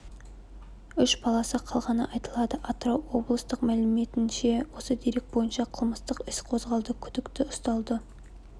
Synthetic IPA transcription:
ʏʃbɑlˠɑsəqʰɑlˠʁɑnəʔɑjt̪əlˠɑd̪əʔɑt̪rowo̞blˠəst̪əqmælɪme̞t̪ɪnʃe̞wo̞səd̪eɾe̞k̚bo̞jənʃɑqʰəlˠməst̪əqɪsqʰo̞zʁɑlˠd̪əkʲʰʏd̪ɪkt̪ɪʊst̪ɑlˠd̪ə

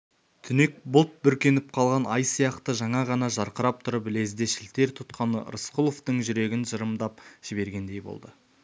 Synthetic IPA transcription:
t̪ʰʏne̞k̚bʊlˠt̪̚bʏɾkʲe̞nɪp̚qʰɑlˠʁɑnɑjsijɑqt̪əʒɑɴɑʁɑnɑʒɑɾqəɾɑp̚t̪ʰʊɾəpɪle̞zd̪e̞ʃɪlt̪e̞ɾt̪ʰʊt̪qʰɑnə̰ɾəsqulˠo̞ft̪əɴʒʏɾe̞ɡʲɪnʒəɾəmd̪ɑpʒ̥ɪbe̞ɾɡʲe̞nd̪e̞jbo̞̰lˠd̪ə

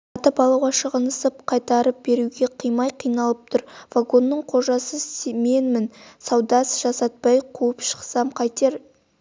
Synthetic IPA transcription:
ɑt̪əpɑlˠɑwʁɑʃəʁənəsəpqʰɑjt̪ɑɾəp̚be̞ɾuɡʲe̞qʰijmɑjqʰijnɑlˠəp̚t̪ʰʊɾv̥aɡo̞nːəɴqʰo̞ʒɑsəseme̞nmɪnsɑwd̪ɑsʒ̥ɑsɑt̪̚pɑjqʰuəpʃə̥qsɑmqʰɑjt̪eɾ

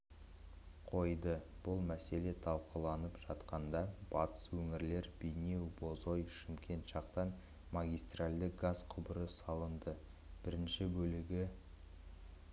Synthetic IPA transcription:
qʰo̞jd̪əb̥ʊlˠmæse̞le̞t̪ʰɑlˠqʰulˠɑnəpʒ̥ɑt̪qɑnd̪ɑb̥ɑt̪ə̥swɵŋɪɾle̞ɾbejne̞wbo̞zo̞jʃɪmkʲʰe̞nt̪ʃɑq̚t̪ɑn | maɡʲijst̪ralʲd̪əkɡazqʰʊbəɾəsɑlˠənd̪ə | b̥ɪɾɪnʃɪbɵlɪɡʲɪ

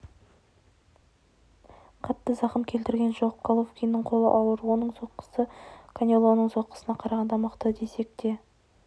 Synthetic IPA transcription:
qʰɑt̪ːəzɑqəmkʲʰe̞lt̪ɪɾɡʲe̞nʒop̚kʰalˠofkʲijnːəɴqʰo̞lˠə̰ʔɑw̪ˠəɾwo̞nəɴso̞t̪qə̥səkʰanʲelˠonəɴso̞t̪̚qːə̥sənɑqʰɑɾɑʁɑnd̪ɑməqt̪əd̪ese̞k̚t̪e̞

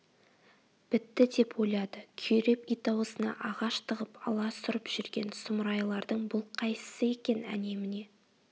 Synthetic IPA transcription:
b̥ɪt̪ːɪd̪e̞po̞jlˠɑd̪əkʲʰyjɾe̞pijt̪ɑwəsənɑ̰ʔɑʁɑʃt̪ʰəʁəpɑlˠɑsʊɾəpʒ̥ʏɾɡʲe̞nsʊmɾɑjlˠɑɾd̪əɴbʊlˠqʰɑjsə̥səe̞kʲe̞næ̰ne̞mɪne̞

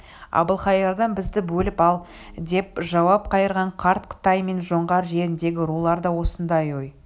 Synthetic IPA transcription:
ɑ̰bəlˠχɑjɑɾd̪ɑnbɪzd̪ɪbɵlɪpɑlˠ | d̪e̞pʒɑwɑp̚qʰɑjəɾʁɑɴqʰɑɾt̪qʰə̥t̪ɑjme̞nʒo̞ɴʁɑɾʒe̞ɾɪnd̪e̞ɡʲɪɾulˠɑɾd̪ɑwo̞sənd̪ɑjoj

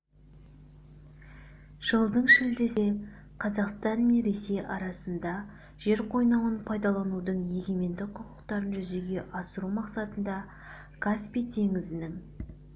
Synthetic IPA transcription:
ʒ̥əlˠd̪əɴʃɪld̪e̞se̞ | qʰɑzɑqst̪ɑnme̞nɾe̞se̞jɑɾɑsənd̪ɑ | ʒ̥e̞ɾqʰo̞jnɑwənpʰɑjd̪ɑlˠɑnud̪əɴje̞ɡʲe̞me̞nd̪ɪqʰʊqʊqt̪ɑɾənʒʏze̞ɡʲe̞ʔɑsəɾumɑqsɑt̪ənd̪ɑ | kʰaspijt̪ʰe̞ŋɪzɪnɪŋ

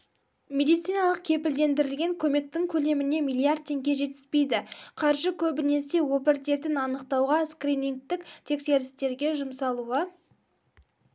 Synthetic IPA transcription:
mʲe̞d̪ijt̪sijnɑlˠəq̚kʲʰe̞pɪld̪e̞nd̪ɪɾɪlɡʲe̞ŋkʲʰɵme̞k̚t̪ɪŋkʲʰɵle̞mɪne̞mijlˠiard̪̚t̪ʲʰːe̞ŋɡʲe̞ʒe̞t̪ɪ̥z̥pe̞jd̪ɪqʰɑɾʒəkʲʰɵbɪne̞se̞wopɪɾt̪e̞t̪ɪnɑnəqt̪ɑwʁɑskriniŋk̚t̪ɪkt̪ʰe̞kse̞ɾɪst̪e̞ɾɡʲe̞ʒʊmsɑlˠuə

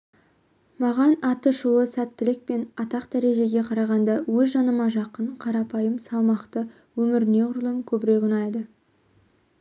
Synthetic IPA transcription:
mɑʁɑnɑt̪əʃuwəsæt̪ːɪlɪk̚pe̞nɑt̪ɑqd̪æɾe̞ʒe̞ɡʲe̞qʰɑɾɑʁɑnd̪ɑwɵzʒɑnəmɑʒɑqəɴqʰɑɾɑpɑjəmsɑlˠmɑqt̪ə | wɵmɪɾɪne̞ʊɾlˠəmkʲʰɵbɪɾe̞kʊnɑjd̪ə

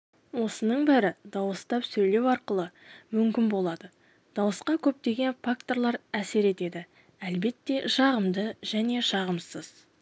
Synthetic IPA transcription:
wo̞sənəɴbæɾɪd̪ɑwəst̪ɑpsɵjle̞wɑɾqəlˠəmʏmkʲɪnbo̞lˠɑd̪ə | d̪̥ɑwəsqɑkʲʰɵp̚t̪e̞ɡʲe̞nfak̚t̪o̞ɾlˠɑɾæse̞ɾe̞t̪e̞d̪ɪ | ælbe̞t̪ːe̞ʃɑʁəmd̪əʒ̥æne̞ʃɑʁəmsəz̥

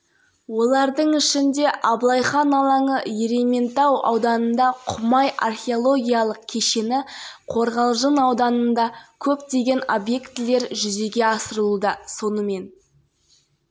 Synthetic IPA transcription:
wo̞lˠɑɾd̪əɴɪʃɪnd̪e̞ʔɑblˠɑjχɑnɑlˠɑɴəe̞ɾe̞me̞nt̪ɑwɑ̰wd̪ɑnənd̪ɑqʰʊmɑjʔa̰rχʲeolˠo̞ɡʲijɑlˠəq̚kʲʰe̞ʃe̞nɪqʰo̞ɾʁɑlˠʒənɑwd̪ɑnənd̪ɑkʲʰɵpt̪e̞ɡʲe̞no̞bje̞kt̪ɪle̞ɾʒʏze̞ɡʲe̞ɑsəɾəlˠud̪əso̞nəme̞n

